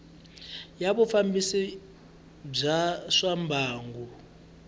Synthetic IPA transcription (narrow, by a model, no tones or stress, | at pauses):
jaβɔfambisi | b͡ʐaʂambʱaːŋɡu